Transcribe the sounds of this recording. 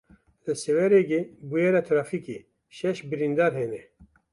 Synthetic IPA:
lɨsɛwɛɾeɡebujɛɾat̪ʰɾaːfike | ʃɛʃbɨɾind̪aːɾɦɛnɛ

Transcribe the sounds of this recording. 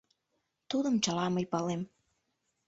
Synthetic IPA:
t̪ud̪ə̆mt͡ɕɑlɑməjpɑlem

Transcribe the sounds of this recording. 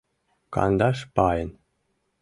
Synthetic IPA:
kɑ̰nd̪ɑʃpɑjən

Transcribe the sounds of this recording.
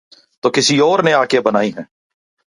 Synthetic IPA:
t̪oːkɪsiɔːɾneaːkebənaːiɦɛ̃ː

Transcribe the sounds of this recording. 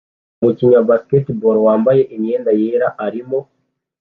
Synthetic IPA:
muciɲabasi̥ketiboɾwaːmbaje̞ʔiɲɲe̞ːndajeːɾaʔaɾimo̞

